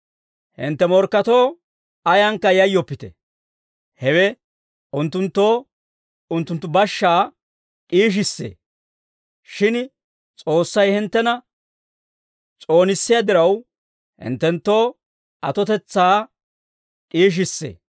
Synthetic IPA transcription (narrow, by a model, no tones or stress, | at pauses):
hɪ̰nt̪ːɛmɔɾkːɐt̪oː | ɐjɐŋkːɐjɐjːɔpːɪt̪ɛ̰ | hɛwɛ | ʊnt̪ːʊnt̪ːoː | ʊnt̪ːʊnt̪ːʊbɐʃːaː | kʼiːʃ̬ɪsːḛː | ʃɪn | t͡sʼo̞ːsːɐjhɪnt̪ːɛnɐ | t͡sʼo̞ːnɪsːɪjad̪ɪɾɐw | hɪ̰nt̪ːɛnt̪ːo̞ː | ʔɐt̪ɔt̪ɛt͡sːaː | kʼiːʃ̬ɪsːḛː